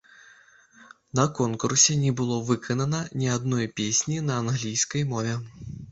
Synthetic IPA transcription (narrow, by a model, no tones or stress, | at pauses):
nɐkɔnkursʲɛnʲɛbɨlˠɔvɨkʰɐnɐnɐnʲiad̪nɔjpʲesʲnʲinɐːnɣlʲijskɐjmɔvʲɛ